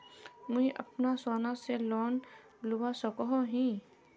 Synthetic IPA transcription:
mũĩʔɐpnasaːnaselɔːn | lʊʋasəkɔɦoɦĩ

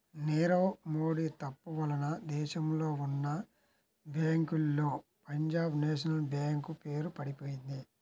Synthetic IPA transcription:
neːɾoːmoːɽiːt̪ɐpːuʋɐlɐnɐd̪ɛːʃɐmlo̞ːunːɐ | baːŋkulːo̞ːpɐɲd͡ʒaːbneːʃɐnɐlbaːŋkupe̞ːɾupɐɽipo̞ːjind̪i

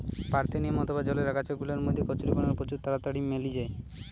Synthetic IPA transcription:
paɾt̪eniemɔt̪obad͡ʑɔleɾakat͡ɕɔkɡulaɾmod̪ʱːekɔt͡ɕuɾibɔnaɾpod͡ʑuɾt̪aɾat̪aɽimːelid͡ʑae

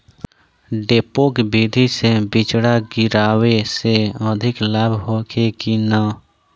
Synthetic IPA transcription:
ɖeːpoːkbid̪ʱisebɪt͡ʃɽaɡɪɾaːweseəd̪ʱɪklaːbʱɦokʰekina

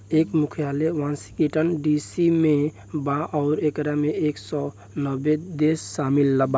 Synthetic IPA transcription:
ekmukʰijalewansi̥kiʈənɖisime | bãʔɔʊɾekɾameeksɔ | nəbed̪esːamilːəba

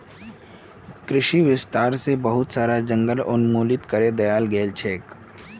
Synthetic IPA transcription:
kɾɪʃiʋɪst̪aːɾsebɐɦʊt̪saːɾad͡ʒə̃ŋɡəlʊnmoːlɪt̪kəɾed̪ɐjaːlɡeːlt͡ʃʰeːk

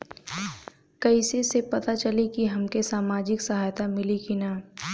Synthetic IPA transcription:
kɐisesepɐt̪at͡ʃɐlekiɦɐmkesaːmaːd͡ʒɪksɐɦaːjt̪amɪlikinaː

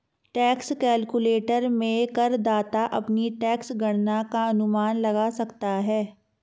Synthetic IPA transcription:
ʈɛːkskɛːlkʊleːʈəɾmẽkɐɾd̪aːt̪aʔɐpniʈɛːksɡɐɽnakaɐnʊmaːnlɐɡasɐkt̪aɦɛː

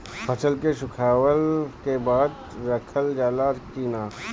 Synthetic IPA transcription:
pʰɐt͡ʃəlkeʃʊkʰaːwəlkebaːd̪ | ɾɐkʰəld͡ʒaːlakiːnaː

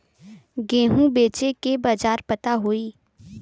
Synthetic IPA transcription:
ɡẽːɦũbeːt͡ʃekebaːd͡ʒaːɾpət̪aɦoiː

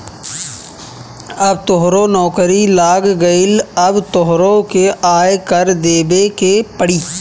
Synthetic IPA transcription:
ɐbt̪oɦɾonɔːkɾilaːɡɡəɪlɐbt̪oɦɾokeaːjkəɾd̪eːbekepəɽiː

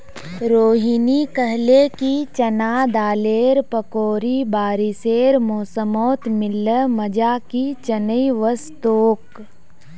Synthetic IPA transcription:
ɾoːɦinikəɦlekit͡ʃənaːd̪aːleːɾpəkoːɾibaːɾiseːɾmoːsəmɔːt̪mɪlːəməd͡ʒakit͡ʃənəiʋəst̪oːk

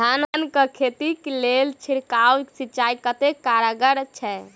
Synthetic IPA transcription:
annkəkʰet̪iklelt͡ʃʰiɾkawksit͡ʃaikət̪ekaɾəɡəɾt͡ʃʰɛ

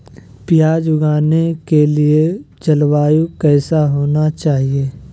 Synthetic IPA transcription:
pjaːd͡ʒʊɡaːnekelie | d͡ʒɐlwaːjukɛːsaɦoːnat͡ʃaːɦieː

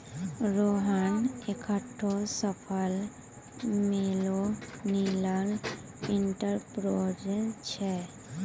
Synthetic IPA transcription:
ɾoɦanekʰaʈʰːosəpʰəl | meloniləɾ | iɳʈəɾpɾod͡ʒent͡ʃʰɛ

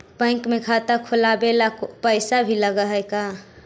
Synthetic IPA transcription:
pə̃ɪ̃kmekʰat̪akʰulabelakpəɪsabʱiləɡəɦəjka

